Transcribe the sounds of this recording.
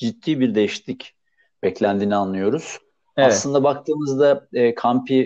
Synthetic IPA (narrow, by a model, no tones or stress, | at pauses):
d͡ʒit̪ʰːiːbiɾd̪ejiʃt̪ʲic | b̥ɛclʲænd̪iːnianlˠɯjo̞ɾuz̥ | asˠɯnd̪abak̚t̪ʰɯːmɯzd̪aɛːkʰampʰi